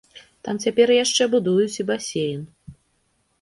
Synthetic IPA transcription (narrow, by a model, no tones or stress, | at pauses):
t̪amt͡sʲapʲɛrjaʂt͡ʂɛbud̪ujut͡sʲibasʲejin